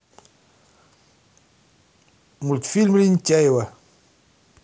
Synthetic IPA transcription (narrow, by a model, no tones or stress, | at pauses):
multfilmɾincajwa